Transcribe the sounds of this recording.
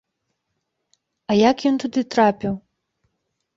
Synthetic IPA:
ɐjakjɔnt̪ud̪ɨt̪ɾapʲiw

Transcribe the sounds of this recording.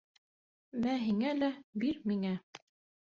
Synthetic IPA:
mæɦiŋælæbiɾmiŋæ

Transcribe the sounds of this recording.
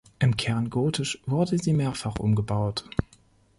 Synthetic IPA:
ʔɪmkʰɛɐnɡoːtʰɪʃv̥ʊɐdəziːmeːɐfaχʔʊ̰mɡəbaʊt

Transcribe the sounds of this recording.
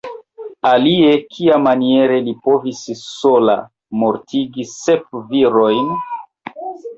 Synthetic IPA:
alie̞kʰiamanie̞ɾe̞lipo̞visːola̰ | mo̞ɾtʰiɡisep̚viɾo̞jn

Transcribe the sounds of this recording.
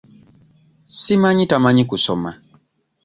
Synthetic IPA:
simaɲitamaɲikusɔma

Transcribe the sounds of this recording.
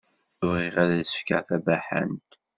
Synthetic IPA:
ʊvʁiʁaðæðsə̥fka̰ʁθæbæħæ̰nt̪

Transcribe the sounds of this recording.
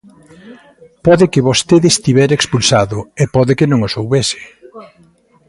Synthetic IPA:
pɔðɪkɪβost̪eðest̪iβɛɾekspulsaðʊepɔðɪkɪnõŋosowβesɪ̥

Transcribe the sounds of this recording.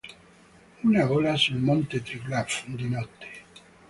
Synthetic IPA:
unavoːlasulmont̪et̪ɾiklafd̪inɔt̪ːe̥

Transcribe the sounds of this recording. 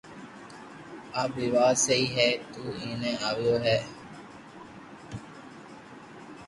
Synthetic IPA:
abiʋaːseiɦɛːt̪uːiːneaʋijoɦɛː

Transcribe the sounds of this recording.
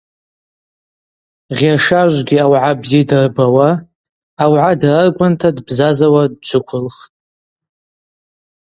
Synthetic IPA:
ʁʲaʂaʒʷɡʲiawʕabzijadarbawaː | wʕadararɡʷʼantʰadbzazawadd͡ʒʷʰʊkʷʰʊlχtʼ

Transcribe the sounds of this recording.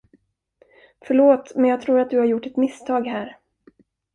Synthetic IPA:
fœɭoːt̪mɛnjɑɡ̚t̪ʰɾuːɾat̪̚d̪ɵhaɾjʊʈːɛt̪mɪst̪ʰɑːɡhæːɾ

